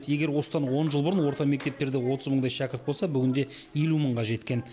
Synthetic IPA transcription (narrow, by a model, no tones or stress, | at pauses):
t̪je̞ɡʲe̞ɾwo̞səd̪ɑnwo̞nʒəlˠbʊɾənwo̞ɾt̪ɑmek̚ʲt̪e̞p̚t̪e̞ɾd̪ewo̞t̪əzməɴd̪ɑjʃakʲɪɾt̪̚bo̞lsɑbʏɡʲɪnd̪e̞ | je̞luməɴʁɑʒe̞t̪kʲe̞n